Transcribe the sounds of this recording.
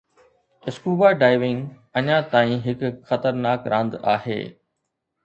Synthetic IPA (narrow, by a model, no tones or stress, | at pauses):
ɪskuːbaɖaːɪʋɪ̃ŋɡ | ɐɲãt̪aːĩɦɪkʊxɐt̪əɾnaːkɾãːnd̪a̰ːɦḛː